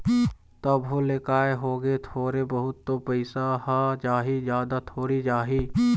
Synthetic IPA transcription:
t̪ɐbɦolekaːeɦoːɡet̪ʰoːɾebɐɦʊt̪ːopəɪsaɦad͡ʒaːɦid͡ʒjaːd̪at̪ʰoːɾid͡ʒaːɦi

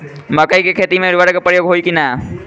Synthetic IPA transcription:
məkəjkekʰet̪imeɾuʋaɾkepɾəjoɡɦojkina

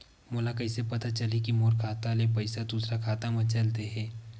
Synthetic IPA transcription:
moːlakɐɪsepɐt̪at͡ʃɐlikimoːɾkʰaːt̪alep̬ɐɪsad̪uːsɾakʰaːt̪amɐ̃t͡ʃɐlt̪eɦɛ̃ː

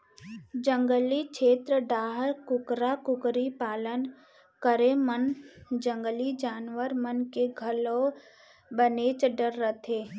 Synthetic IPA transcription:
d͡ʒə̃ŋɡəlikʰeːt̪ɾəɖaːɦəɾkʊkɾakʊkɾipaːlən | kəɾemənd͡ʒə̃ŋɡəlid͡ʒaːnʋəɾmənkeɡʱəlo | bəneːt͡ʃɖəɾːət̪ʰeː

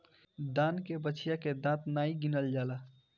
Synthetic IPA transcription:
d̪ãːnkebəːt͡ʃʰijaked̪ãt̪naːiɡinəld͡ʒaːla

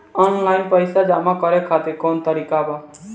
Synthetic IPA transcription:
ɔːnlaːɪnpəjsad͡ʒaːmakɔɾekʰaːt̪ɪɾkoːnt̪əɾiːkabaː

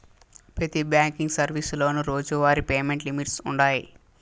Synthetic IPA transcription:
pɾɐt̪ibjaːŋkiŋɡsɐɾʋislo̞ːnuɾo̞ːd͡ʒuʋaːɾipeːme̞ɳʈlimiʈsuɳɖaːji

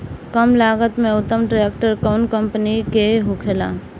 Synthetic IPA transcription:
kəmlaːɡət̪mẽʊt̪ːəmʈɾaek̚ʈəɾkəʊnkə̃mpənikeɦʊkʰela̰ː

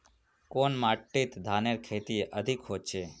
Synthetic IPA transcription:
konmaʈːit̪d̪ʱaneɾkʰet̪ieʔəd̪ʱikɦot͡ʃʰe

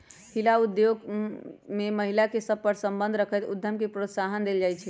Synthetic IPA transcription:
hilaud̪joɡ | meməɦilakesəb̚pəɾsəmbənd̪ʱɾəkʰət̪ud̪ʱjəmkepɾot̪saɦənd̪eld͡ʒajt͡ʃʰɛ

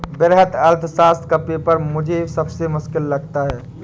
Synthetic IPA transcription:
bɪɾɦət̪ɐlt̪ʰsaːst̪̚ʰkapepəɾmʊd͡ʒʱesɐbsemʊskɪlːɐɡ̚t̪aɦɛː

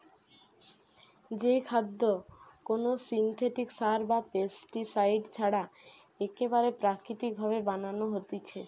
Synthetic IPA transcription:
d͡ʑejkʰad̪ːokonosint̪ʰeʈiksaɾbapesʈisajɖt͡ɕʰaɽa | ekebaɾepɾakɾit̪ik̚bʱaβebananoɦot̪it͡ɕʰe

